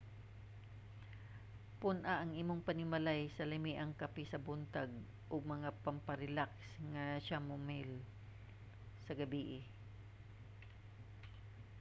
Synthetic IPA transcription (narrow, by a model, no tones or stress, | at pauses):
pʊnʔaʔɐŋʔiːmoŋpɐnɪmɐlajsɐlɪmiʔɐŋkɐpisɐbʊnt̪aɡ̚ | ʔʊɡ̚mɐŋapɐmpɐɾɪlaksŋɐʃamʊmɪl | sɐɡɐbiːʔɪ